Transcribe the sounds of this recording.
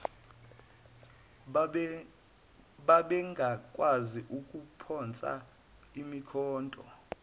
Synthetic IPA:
ɓaɓɛŋɡʱakʼwaziʔukʼupʰɔnt͡sʼa̰ | imikʰɔːntʼɔ̰

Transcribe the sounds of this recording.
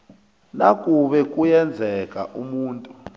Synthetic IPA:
nakʼuɓɛkʼujɛnd͡zʱɛkʼa̰ʔumuːntʼu

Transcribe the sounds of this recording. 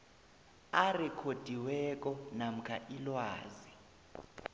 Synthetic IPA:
arɛkʰod̥ʱiwɛk̬ʼɔnam̩kʰaʔilwaːzi

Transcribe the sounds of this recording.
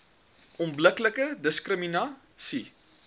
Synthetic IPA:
ʔɔmbləkləkədəskrəminɑː | si

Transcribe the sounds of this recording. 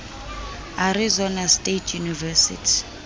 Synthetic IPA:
aɾizɔnastʼetʰjunivɛsḭtʰi̥

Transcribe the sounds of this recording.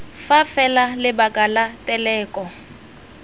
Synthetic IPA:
fafɛlalɪbakʼalatʼɛlɛːkʼɔ

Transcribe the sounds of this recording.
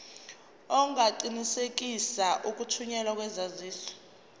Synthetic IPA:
ɔŋaǃinisek̬ʼisaʔuk̬ʼutʰuɲɛlak̬ʼwɛzaziːɬɔ̥

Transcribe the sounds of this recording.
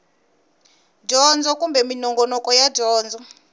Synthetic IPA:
d͡ʒɔnd͡zɔkumbɛminɔŋɡɔnɔkɔjad͡ʒɔːnd͡zɔ

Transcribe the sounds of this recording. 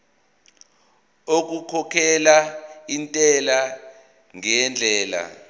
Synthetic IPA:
ok̬ukʰɔkʰɛlaintʼɛla | ŋɛnd͡ɮʱɛːla̰

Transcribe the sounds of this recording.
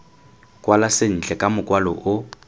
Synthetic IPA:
kʼwalasen̩t͡ɬʼɛkʼamʊkʼwalɔ̰ʔʊ

